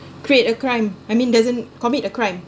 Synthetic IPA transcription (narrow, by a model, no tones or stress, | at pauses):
kɹietəkɹãj̃majmĩndazə̃nkɔmitəkɹãj̃m